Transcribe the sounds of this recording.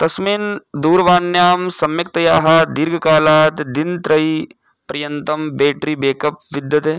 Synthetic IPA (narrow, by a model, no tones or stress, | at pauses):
t̪ɐsmiːnd̪uːɾʋaːnjaːmsɐmjɐk̚t̪ɐjaːɦad̪ɪɾɡʱkaːlaːt̪d̪ɪnt̪ɾɐi | pɾɐjɐnt̪ɐmbeːʈɾibeːkɐp̚ʋɪd̪jɐt̪ɦeː